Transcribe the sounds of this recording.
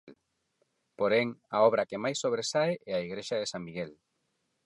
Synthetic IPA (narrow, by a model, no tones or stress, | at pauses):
l | poɾeŋaɔβ̞ɾɐkemajsːoβ̞ɾesaeʔɛaiɣɾeʃaðesaŋmiɣel